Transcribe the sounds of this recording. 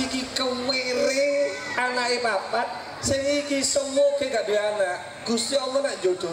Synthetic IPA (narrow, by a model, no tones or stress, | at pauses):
ikikəmeɾɪŋanaʔepapat̪̚ | sɪŋikisəŋokekaʔbianaʔ | ɡ̥ust̪iɔŋɔnaʔd͡ʒod̪̥ɔ